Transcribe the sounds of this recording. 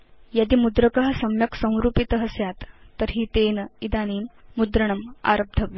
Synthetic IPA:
jad̪iːmud̪ɾəkəɦəsɐmjɐksə̃w̃ɾuːpit̪əɦəsjat̪ːəɾɦiːt̪eːnəid̪aniːmːud̪ɾəɳəma̰ɾəb̚d̪ʱəʋi

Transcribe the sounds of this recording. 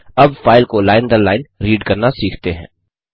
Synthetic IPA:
ɐbfaːɪlkolaːɪnd̪əɾlaːɪnɾiːɖkɐɾnasiːkʰt̪eɦɛ̰̃ː

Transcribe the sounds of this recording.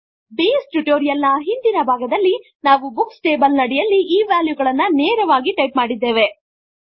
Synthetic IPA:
biːsʈuʈoːɾijɐlnɐɦind̪inɐbʱaːɡɐd̪ɐlːi | naːʋubuksʈeːbɐlnɐɽɛjɐlːiʔiːʋaːljuɡɐɭɐnːɐnɛːɾɐʋaːɡiʈɐjpmaːɽid̪ːeːʋe̞

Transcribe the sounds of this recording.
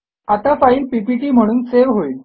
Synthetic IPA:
at̪afaiːlpipiʈiːm̤əɽ̃uːnseʋɦoiːl

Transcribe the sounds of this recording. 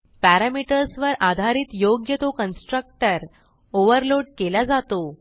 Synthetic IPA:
pæɾamiʈəɾsʋəɾʔad̪ʱaɾiːt̪joɡjət̪okənsʈɾək̚ʈəɾ | oʋəɾloɖ̚kelad͡zat̪o

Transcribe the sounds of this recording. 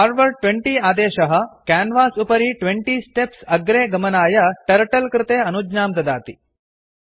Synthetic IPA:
aːɾʋəɾʈʋeɳʈiːaːd̪eːɕɐɦə̆kænʋaːsupɐɾiːʈʋeɳʈiːsʈepsɐɡɾeːɡɐmɐnaːjɐʈɐɾʈɐlkɾɪt̪eːɐnud͡ʒnaːmt̪ɐd̪aːt̪i

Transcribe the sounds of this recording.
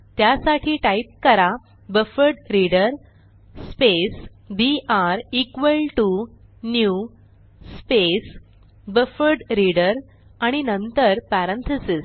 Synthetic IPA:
t̪jasaʈʰiːʈaip̚kəɾa | bəfəɾɖɾiɽəɾ | spes | biʔaɾikʋəlʈu | nju | spes | bəfəɾɖɾiɽəɾ | aɽ̃inənt̪əɾpaɾənt̪ʰəsis

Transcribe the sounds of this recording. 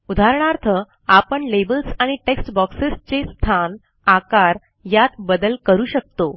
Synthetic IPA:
ud̪ʱaɾɳ̃aɾt̪ʰə | apəɳlebəlsaɽ̃iʈeksʈbɔksest͡ɕest̪ʰan | akaɾ | jat̪bəd̪əlkəɾuːɕək̚t̪o

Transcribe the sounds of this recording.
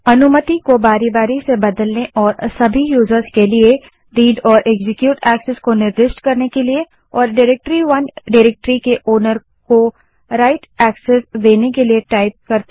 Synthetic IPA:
ɐnʊmət̪ikobaːɾibaːɾisebɐd̪əlneʔɔːɾsɐbʱijuːzəɾzkelie | ɾiːɖɔːɾʔeːɡzɪkjuːʈɛːkseskonɪɾd̪ɪʃʈkɐɾnekelie | ɔːɾɖɪɾek̚ʈɾiʋɐnɖɪɾeːk̚ʈɾikeʔoːnəɾ | ko | ɾaːɪʈɛːksesd̪eːnekelieʈaːɪp̚kɐɾt̪

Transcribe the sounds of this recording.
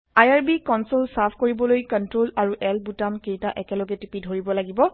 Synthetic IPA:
ajaɹbikɔnsolsapʰkoɹibɔlojkɔntɹolaɹuʔɛlbutamkejtaʔɛkɛlɔɡɛtipidʱoɹibɔlaɡibɔ

